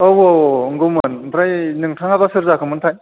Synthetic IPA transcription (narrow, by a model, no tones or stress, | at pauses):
owoŋɡɯmɯnpʰɾajnɯŋtʰaŋabasɯɾzakʰɯmɯntʰaj